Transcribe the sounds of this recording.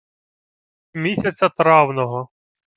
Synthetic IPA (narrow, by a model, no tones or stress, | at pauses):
mʲisʲɐt͡sʲɐt̪ɾɑwnɔɦɔ